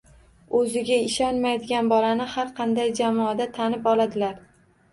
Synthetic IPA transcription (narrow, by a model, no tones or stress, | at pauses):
ɵzɪɡʲaɪʃɒnmajd̪ɪɡʲanbɒlanɪhaɾqʰɑnd̪ajd͡ʒamɒːd̪at̪ʰanɪpɒlad̪ɪlaɾ